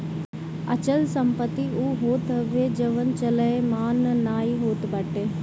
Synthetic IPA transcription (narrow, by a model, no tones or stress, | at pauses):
ɐt͡ʃəlsɐmpət̪ːiuːɦoːt̪ɐʋeːd͡ʒɐʋɐnt͡ʃɐləemaːnnaːiɦoːt̪bɐʈe